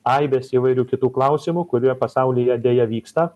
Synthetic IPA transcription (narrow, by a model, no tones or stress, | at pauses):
ɐɪbʲeːsiːʋɐɪɾʲuːkʲɪt̪uːklˠɐˑʊsʲɪmʊkʊɾʲuɔpɐsɐʊlʲiːjɛd̪ʲeːjɛʋʲiːkst̪ɐ